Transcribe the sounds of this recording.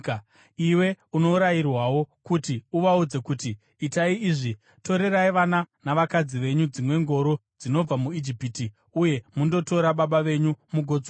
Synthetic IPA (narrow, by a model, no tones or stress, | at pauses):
iwe̞uno̞uɾajirwawo̞kutiuʋaud͡ze̞kutiː | taiiʐi | to̞ɾe̞ɾaiʋananaʋakad͡ziʋe̞ɲud͡zimwe̞ŋɡo̞ɾo̞d͡zino̞b͡vamuid͡ʒipiti | uje̞mundo̞to̞ɾaɓaɓaʋe̞ɲumuɡʱo̞d͡zo